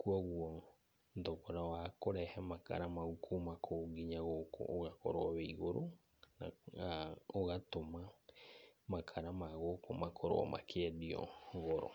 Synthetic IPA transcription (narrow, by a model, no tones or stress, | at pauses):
kuɔɣwɔ | ndɔɣɔɾawakoɾɛhɛmaka̰ɾamaɣukʰumakʰoɡiɲaɣokɔ̰oɣakɔ̰ɾoɔβeiɣoɾo | na̰ | oɣatoma | makʰaɾamaɣokɔmakʰɔɾo̰ɔ̰mʔa̰kʰeɛdiɔ̰ɣɔɾɔ̰